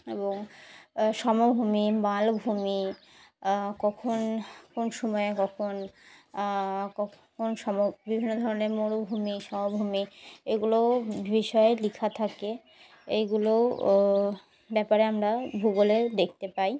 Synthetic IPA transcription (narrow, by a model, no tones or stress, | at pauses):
eboŋ | ʃɔmobʱumimalbʱumi | kɔkʰonkonʃɔmɔekɔkʰon | kɔ | kʰonʃɔmobibʱinːod̪ʱɔɾoneɾmoɽobʱumiʃɔmobʱumieɡulobiʃɔelikʰat̪ʰake | ejɡulo | bɛpaɾeamɾabʱuɡoled̪ekʰt̪epaj